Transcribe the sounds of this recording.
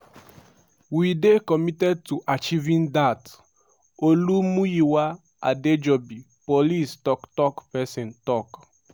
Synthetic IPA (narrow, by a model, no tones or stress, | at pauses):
widekɔmitɛd̚tuʔat͡ʃivĩndat | olumũjiwa | a̰ded͡ʒɔbi | polistɔktɔkpɛsɛ̃ntɔk